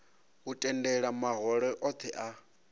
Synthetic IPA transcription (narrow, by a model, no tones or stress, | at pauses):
ɦutʼɛndɛɺamaɦɔɺɛʔɔt̪ʰɛʔa